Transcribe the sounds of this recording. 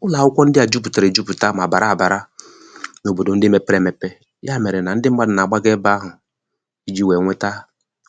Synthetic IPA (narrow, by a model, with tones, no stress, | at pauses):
ʊ˦la˨ʊ˦kʷɔ˦n̩˦dɪ˦a˨d͡ʒu˦p̬u˨ta˨ɾe˨d͡ʒu˦pu˨ta˦ma˨ba˨ɾa˦a˨ba˨ɾa˦ | no˨bo˨do˨n̩˦dɪ˦me˨pɾe˦˨me˨pe˦ | ja˦˨me˨ɾe˨na˨n̩˦dɪ˦m̩˦ɡ͡ba˦dna˨ɡ͡ba˦ɡe˦ba˦ɦʊ˨ | i˦d͡ʒi˦we˨ŋʷe˦ta˦